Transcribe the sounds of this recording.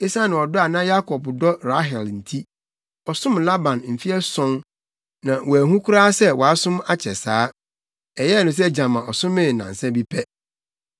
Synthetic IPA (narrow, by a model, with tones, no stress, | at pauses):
e˦sa˦nɪ̃˨ɔ˨dɔ˦a˨nã˦ja˦kʰɔ˨bdɔ˦ɾa˦ɦɛ˨ln̩˨tʰi˦ | ɔ˨sʊ̃˦mla˦bã˨nm̩˨fi˦ɛ˦sɔ̃˦n | nã˨wɔ˨æ˨ɦũ˦kʰu˦ɾaː˦sɛ˦wɔ˨a˦sʊ̃˦ma˦t͡ɕʰɛ˨saː˨˦ | ɛ˨jɛ˦˨nʊ̃˨s̬ɛ˦d͡ʑã˨mã˨ɔ˨sʊ̃˦mɪ̃˦˨nã̰˨n̩˨sɛ̃˦bi˦pʰɛ˦